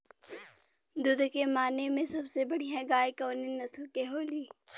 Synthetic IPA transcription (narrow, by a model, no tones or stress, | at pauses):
d̪ʊd̪kemaːnemẽsɐbsebɐɽ̤iɦɛ̃ɡaːjkɔ̃ːnenɐslkeɦoːliː